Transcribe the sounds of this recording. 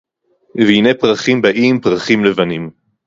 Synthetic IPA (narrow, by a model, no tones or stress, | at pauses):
veinepʁaχimbaʔimpʁaχimlevanim